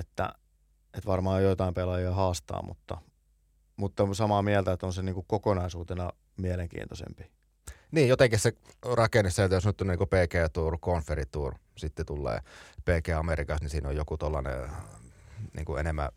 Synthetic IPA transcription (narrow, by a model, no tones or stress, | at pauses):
et̪ːæ̰ | et̪ʋɑrmɑːjjoit̪ɑimpelɑjiɑhɑːst̪ɑ̰ːmṵt̪ːɑ̰ | mut̪ːɑsɑmɑmiælt̪æet̪onseniːŋkukkokonɑisuːt̪enɑ | mieleŋkḭːnt̪osḛmpi̥ | niːjjot̪eŋkisserɑkenːesset̪josnyt̪ːunːniːkopeˑːkeːt̪uːrkonferit̪uːr | sit̪ːet̪ulːḛːpeːkeːɑmerikɑsnisiːnojokut̪olːɑnḛ | nḭːŋkuḛnemːæ̰